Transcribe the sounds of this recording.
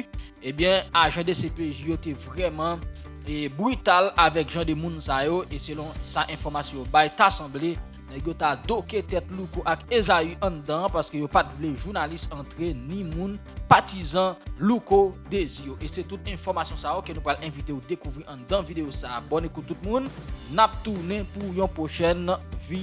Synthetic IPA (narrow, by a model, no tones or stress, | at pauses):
ebjɛ̃aʒɑ̃d̪esepeʒijot̪ɛvʁɛmʌ̃ | bʁyt̪alavɛkʒɑ̃d̪ømũnsajoʔeselɔ̃saʔɛ̃fɔʁmasjɔ̃jobajt̪asɐ̃ble | nɛɡjot̪ad̪oket̪ɛtlukoʔakezayʔɐ̃d̪ãpaʁskøjopat̪vleʒuʁnalistɑ̃t̪ʁenĩmũn | pat̪izãlukod̪ezijoʔeset̪ut̪̚ɛ̃fɔʁmasjɔ̃saokenũpʁalɛ̃vit̪eud̪ekuvʁiʔɐ̃d̪ãvid̪ejosaːbɔnekut̪̚ːut̪̚mũnːap̚t̪uʁnɛ̃pujɔ̃pʁoʃɛnvi